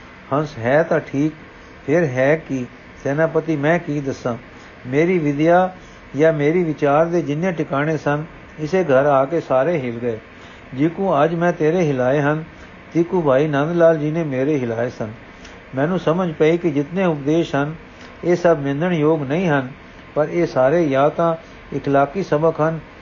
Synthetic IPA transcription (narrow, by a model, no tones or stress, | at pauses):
hənsɦɛːt̪ãːʈʰiːk | pʰɪɾɦɛːkɪ | sɛːnãːpət̪iːmɛ̃ːkiːd̪əsːãː | meːɾiːʋɪd̪jaː | jaːmeːɾiːʋɪt͡ʃaːɾd̪eːd͡ʒɪnjẽːʈɪkaːɽ̃eːsən | ɪseːɡʱəɾaːkeːsaːɾeːɦɪlɡəeː | d͡ʒiːkũːəd͡ʒmɛ̃ːt̪eːɾeːɦɪlaːeːɦən | t̪iːkũːbʱaːiːnənd̪laːld͡ʒinẽːmeːɾeːɦɪlaːeːsən | mɛ̃ːnũːsəməd͡ʒpaːiːkɪd͡ʒɪt̪nẽːʊp̚d̪eːʃsən | eːsəbmɪ̃nd̪əɳjoːɡnəĩːɦən | pəɾeːsaːɾeːjaːt̪ãː | ɪkʰlaːkiːsəbəkɦən